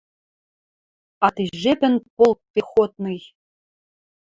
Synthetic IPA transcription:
ɑt̪iʒepʲɘ̆npolˠk̚pʲexot̪̚nɤj

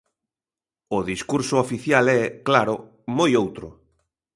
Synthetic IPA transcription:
ʊðiskuɾsʊofiθjalɛklaɾʊ | mojowt̪ɾʊ

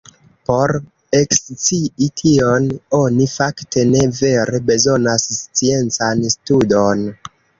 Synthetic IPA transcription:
po̞ɾ | e̞kst͡siitʰiono̞nifaktʰe̞ne̞ve̞ɾe̞be̞zo̞nasst͡sie̞nt͡sanstudo̞n

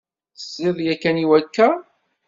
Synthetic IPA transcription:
θə̥sːiðˤjækːæniwækːæ

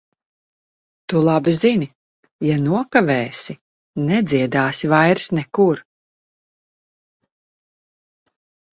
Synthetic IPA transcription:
t̪ulˠabizinʲi | januɔkavɛːsi | nɛd̪ziɛd̪aːsivajɾsnɛkuɾ

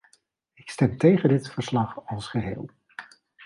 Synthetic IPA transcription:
ɪkstɛmtejχədɪtfəɹslɑχɑlˠsχəɦɪ̰ːlˠ

